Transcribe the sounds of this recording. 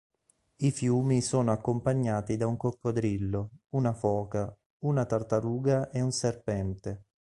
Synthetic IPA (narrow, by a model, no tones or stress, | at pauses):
ifjuːmisoːnoakːompaɲːaːt̪id̪auŋkokːod̪ɾilːounafɔːka | unat̪art̪aɾuːɡaʔeunserpɛnt̪e